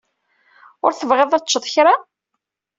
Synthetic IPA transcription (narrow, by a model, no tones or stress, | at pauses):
ʊɾθəvʁeðˤæt͡ʃːəðˤçɾa